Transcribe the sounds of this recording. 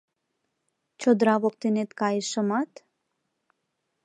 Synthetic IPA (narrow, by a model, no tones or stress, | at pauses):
t͡ʃʰod̪ɾabok̚t̪inet̪kaiʃomat̪